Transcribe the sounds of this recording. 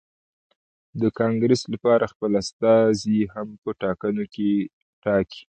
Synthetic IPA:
d̪əkɑŋɡɾeslapɑɾaxpəlast̪ɑziɦampəʈɑkənoke | ʈɑki̥

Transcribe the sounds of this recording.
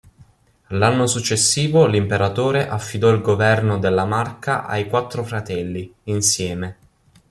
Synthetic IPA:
lanːosut͡ʃːesːiːvolimpeɾat̪oːɾeʔafːid̪ɔilɡovɛrnod̪elːamarkaʔa̰jkwat̪ːɾofɾat̪ɛlːiːnsjɛːme

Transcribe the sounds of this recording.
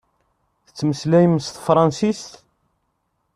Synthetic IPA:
θə̥t͡sːməslæjəmst̪fɾˤɑ̃nsist̪

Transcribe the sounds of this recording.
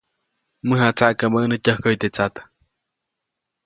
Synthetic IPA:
məɦat͡saʔkaməʔɨnəcəhkəjt̪et͡sat̪ə̥

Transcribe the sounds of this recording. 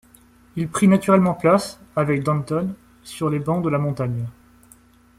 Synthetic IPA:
ilpχinat̪yʁɛlmɑ̃plas | avɛk̚d̪ɑ̃nt̪ɔn | syʁlebɑ̃d̪əlamɔ̃t̪aɲ

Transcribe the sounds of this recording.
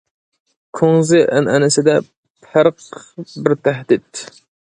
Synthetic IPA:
kʰoŋzɨʔɛnʔɛnɪsɪd̪ɛ | pʰæɾqbɪɾt̪ʰæɦd̪ɪt̪̚

